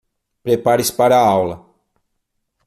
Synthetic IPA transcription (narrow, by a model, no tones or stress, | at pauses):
pɾepaɾispaɾɐawlɐ